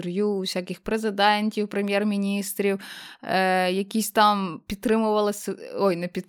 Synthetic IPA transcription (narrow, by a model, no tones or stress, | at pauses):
rjuwsʲakʲɪxpɾezɪd̪ɛnʲtʲiwpɾɪmʲjɛrmʲinʲist̪ɾʲiw | jɐkʲisʲt̪ɑmpʲid̪̚t̪ɾɪmʊʋɐlˠɪsʲɔjnɛpʲid̪